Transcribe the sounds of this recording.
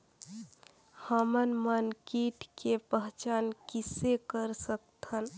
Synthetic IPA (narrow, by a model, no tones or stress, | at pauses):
həmənmənkiːʈʰkepəɦt͡ʃaːnkɪsekəɾsək̚t̪ʰən